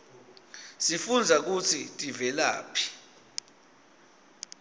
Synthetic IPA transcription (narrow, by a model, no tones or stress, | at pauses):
sifund͡zʱak̬ut͡sʰitʼivɛla̰ːpʰi̥